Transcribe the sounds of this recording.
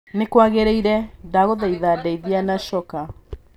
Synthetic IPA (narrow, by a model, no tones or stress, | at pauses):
nekwaɣeɾeiɾɛdaɣoðaiðadɛiðianaʃɔka